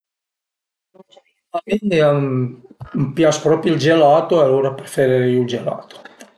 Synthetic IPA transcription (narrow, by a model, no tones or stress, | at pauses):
nonsɔk | lamend̪ea | mpjaspɾɔːpjild͡ʒelaːt̪oealːoːɾapɾefeɾeɾejuld͡ʒela̰ːt̪o̥